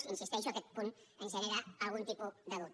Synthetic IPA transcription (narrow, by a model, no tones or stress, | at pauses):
insist̪eʃoaket̪̚pun | enseneɾaalɣunt̪ipud̪aðut̪